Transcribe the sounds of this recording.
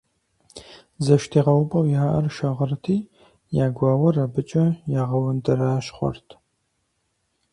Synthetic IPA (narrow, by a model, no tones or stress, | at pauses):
zɐʃtʰiːʁɐwpʼɐwjaːʔɐrʃɐʁərtʰiː | jaːɡʷɑːwɐrɐbɨt͡ʃʼɐjaːʁɐwʊndɐɾaːʃχʷɔ̰rtʰ